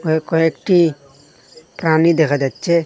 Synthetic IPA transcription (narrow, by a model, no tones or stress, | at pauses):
ɔkɔekʈi | pɾanid̪ekʰad̪att͡ʃe